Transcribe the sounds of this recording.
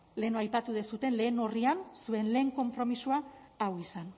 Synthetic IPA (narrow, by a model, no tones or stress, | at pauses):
le̞noajpat̪uðesut̪e̞nle̞ːno̞riansue̞nle̞ːŋko̞mpɾo̞misuaawisan